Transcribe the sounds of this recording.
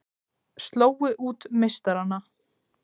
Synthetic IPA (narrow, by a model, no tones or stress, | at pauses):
st̪loːwɪʔuːt̪mejst̪aɾanːa